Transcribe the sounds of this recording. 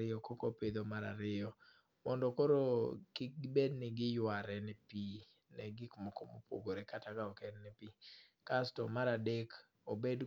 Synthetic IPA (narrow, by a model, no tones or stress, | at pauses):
ɪɔkokoped̪omaɾaɾɪɔ | mɔndɔkoɾokɪk̚ɡbednɪɡɪjwaɾɛnɛpi | nɛɡɪkmɔkɔmo̰pwo̰ɡoɾekatakaɔkɛnnɛpikastɔmaɾadek | obed